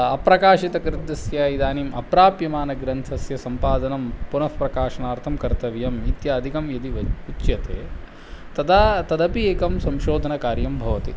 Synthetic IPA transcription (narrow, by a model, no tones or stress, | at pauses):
ɐpɾɐkaːʃit̪ɐkɾɪd̪ːɐsjaːid̪aːnimʔɐpɾaːpjɐmaːnɐɡɾɐnt̪ʰɐsjɐsɐmpaːd̪ɐnɐmpunɐfpɾɐkaːʃɐnaːɾt̪ʰɐmkɐɾt̪ɐʋjɐmit̪jaːd̪ʱikɐmjɐd̪iʋɐutːjɐt̪ḛː | t̪ɐd̪ʰaːt̪ɐd̪ɐpieːkɐmsɐmʃoːd̪ʱɐnɐkaːɾjɐmbʱɐʋɐt̪ḭ